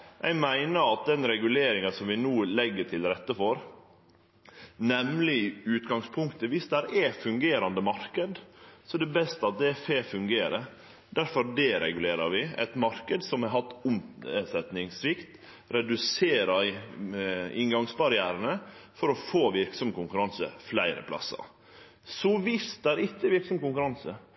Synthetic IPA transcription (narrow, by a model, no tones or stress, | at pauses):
ʔæ̰ɪmæɪnəɾɑt̪̚d̪ɛnɾɛɡʉleːɾɪŋənsɔmʋɪnuːlɛɡːəʈʰɪlɾɛt̪ːəfɔɾ | nɛmlɪʉːt̪ɡɑŋspʰʊŋkt̪əʋɪsd̪æɾʔɛfʉŋɡeːɾɑnd̪əmɑɾkəd̪sɔɛd̪ɛbɛst̪əɑt̪̚d̪ɛæfeːfʉŋɡeːɾə | d̪æɾfɔɾdɛɾɛ̰ɡʉleːɾəɾʋɪɛ̰t̪mɑɾkəd̪sɔmɛɦɑt̪ːʊmsɛt̪nɪŋsʋɪkt̪ | ɾɛd̪ʉseːɾə | ɪŋɡɑŋsbɑɾɪæːɾənəfɔɾɔfoːʋɪɾksɔmkʊŋkʉɾɑnsə̰flæɪɾə̰pʰlɑ̰sə̰ | sɔʋɪsd̪æɾɪtːəʋɪɾksɔmkʊŋkʉɾɑnsə